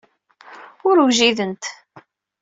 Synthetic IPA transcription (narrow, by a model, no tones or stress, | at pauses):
ʊɾwʒiðənt̪